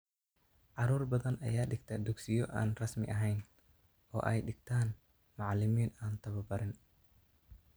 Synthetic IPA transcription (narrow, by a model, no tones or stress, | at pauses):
ʕɑɾuːrbɐðɐnʔɐ̰jaːɖɪɡ̚t̪ʰɐd̪ʊɡsɪjɔʔa̰ːnrɐsmɪ̰ʔɐɦɛjn | ɔ̰ːʔɛjɖɪɡ̚t̪ʰaːn | mɑʕlɪmiːnaːnt̪ʰɐβɐbɐɾɪn